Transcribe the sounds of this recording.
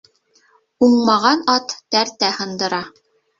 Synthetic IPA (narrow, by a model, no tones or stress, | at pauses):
uɴmɑʁɑnɑt̪ːæɾt̪æhɤ̆nd̪ɤ̆ɾɑ